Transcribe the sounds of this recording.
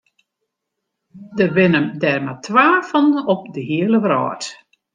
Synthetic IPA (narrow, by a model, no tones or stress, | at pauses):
dəbɪnəmdɛrmatʰʋaːfənɔp̚dəɦiələʋrɔ̰ːt